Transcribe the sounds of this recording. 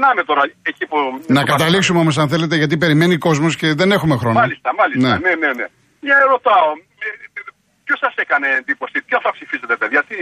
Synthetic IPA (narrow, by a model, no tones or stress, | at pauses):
nɐmet̪o̞ɾɐecipunɐkɐt̪ɐliksumeomo̞s̬ɐnθe̞le̞t̪̬eʝɐt̪ipe̞ɾime̞niko̞zmo̞sce̞ðe̞ne̞xume̞xɾo̞nɐlist̪ɐmɐlisnneɐnenene | jɐeɾo̞t̪ɐome | pço̞sɐsekɐne̞ːnd̪ipo̞sip̪oθɐpsifiset̪epeðʝɐt̪i